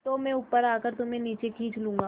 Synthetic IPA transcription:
t̪omɛ̃ʊpːəɾaːkəɾt̪ʊmẽniːt͡ʃekʰiːt͡ʃlũːŋɡaː

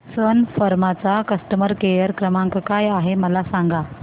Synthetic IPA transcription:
sənfəɾmat͡sakəsʈəməɾkejəɾkɾəmãŋkkajaɦeməlasaŋɡa

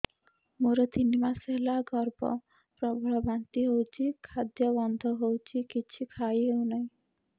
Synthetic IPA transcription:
moɾet̪inimaselaɡɔɾbɔ̰ | pɾɔbʱɔɭɔbant̪iɦowt͡ʃʰikʰad̪jɔbɔnd̪ʱɔɦowt͡ʃʰikit͡ʃʰikʰajewnɔĩ

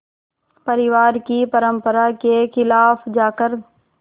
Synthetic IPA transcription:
pəɾɪʋaːɾkipəɾəmpəɾakexɪlaːfd͡ʒaːkəɾ

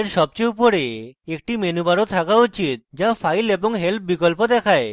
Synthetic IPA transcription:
eɾʃɔb̚t͡ɕeupoɾeek̚ʈimenubaɾot̪ʰakaut͡ɕit̪̚d͡ʑafajleboŋɦelp̚ʰbikolpod̪ɛkʰae

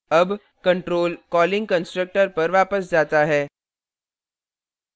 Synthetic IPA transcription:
ɐb | kɐ̃ɳʈɾoːlkɔːlɪ̃ŋɡkə̃nsʈɾək̚ʈəɾpɐɾʋaːpəsd͡ʒaːt̪aɦɛː

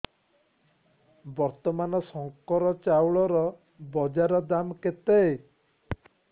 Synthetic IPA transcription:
bɔɾt̪ɔmanɔsɔŋkɔɾɔt͡ʃawɭɔɾɔ | bɔd͡ʒaɾɔd̪amket̪ee

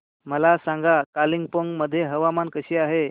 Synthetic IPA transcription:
məlasãŋɡakaliŋɡ̚poŋɡməd̪ʱːjeɦəʋamankəɕiːaɦe

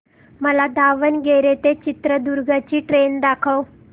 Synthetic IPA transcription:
məlad̪aʋənɡeɾet̪et͡ɕit̪ɾəd̪uɾɡʱat͡ɕiːʈɾend̪akʰəw

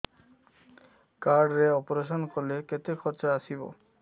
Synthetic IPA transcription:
kaɾɖɾeɔpoɾeʃ̬onkoɾleket̪ekʰɔɾt͡ɕaaʃibo̰

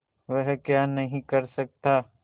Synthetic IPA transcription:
ʋɛɦkjaːnɐɦĩkɐɾsɐk̚t̪aː

